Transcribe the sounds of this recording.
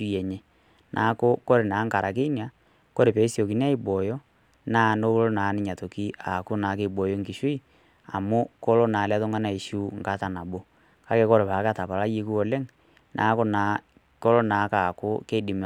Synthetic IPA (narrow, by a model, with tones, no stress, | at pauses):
u˦ɛ˨ɲe˦ | nʔa̰˨˦ko˦ko˦ɾe˨na˨˦ŋka˨ɾʔa˨k̬e˦nja˨ | ko˦ɾe˨pe˨˦sjo˨ki˨n˦a˦i˦ɓɔ˨jɔ˦ | na˦˨no˦ko˦lo˦na˨˦ni˦ɲa˨to˨ki˦a˨ko˦na˨˦ke˦˨ɓɔ˨jo˦ŋɡi˨ʃwi˦ | a̰˨mo˦ko˦lo˦na˨la˦ðo˦ŋɡa˦na˦˨i˨ʃu˦ŋka˦ta˨na˨ɓo˦ | ka˦ke˦ko˦ɾe˨pa˨˦ka˦ta˨pa˨la˦je˦ku˦ɔ˨lɛ˦ŋ | nʔa̰˨˦ko˦na˨˦ | ko˦lo˦na˨˦ka˨ko˦ke˦di˨m